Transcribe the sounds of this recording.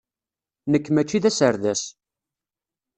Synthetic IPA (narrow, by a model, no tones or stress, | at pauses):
nəkːmæt͡ʃːiðæsəɾðæs